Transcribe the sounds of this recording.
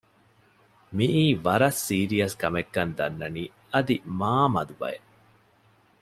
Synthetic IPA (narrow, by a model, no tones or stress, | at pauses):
miʔiːʋɐɾɐsːiːɾijɐskɐmekːɐnd̪ɐnːɐniː | ɐd̪imaːmɐd̪ubɐ̰je